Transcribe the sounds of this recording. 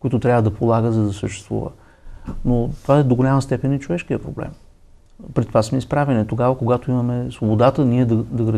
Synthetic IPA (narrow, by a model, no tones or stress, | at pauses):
koit̪ʊt̪ɾʲavəd̪ɐpolˠaɡəzɐd̪ɐsəʃt̪ɛ̥st̪vṵvə̰ | not̪ovaɛd̪oɡolʲaməst̪ɛpɛnit͡ʃovɛʃkiəpɾoblɛ̰m | pɾit̪ːovasmɛispɾavɛnit̪oɡavəkoɡat̪oimɐmɛsvobod̪at̪əniɛd̪ɐd̪ɐɡɾə